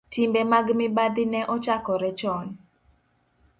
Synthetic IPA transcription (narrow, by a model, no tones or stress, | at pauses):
tʰimbemaɡmɪbad̪ɪnɛʔɔt͡ʃakɔɾɛt͡ʃɔn